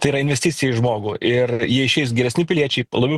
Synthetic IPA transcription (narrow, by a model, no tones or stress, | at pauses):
t̪ɐɪiɾɐɪnʲʋʲɛsʲt̪ʲɪt͡sʲɪjɛɪʒmoːɡuːʔɪrjiɛɪʃʲɛɪsɡʲɛɾʲɛsʲnʲɪpʲɪlʲiɛt͡ʃʲɛɪlˠɐbʲɛʊ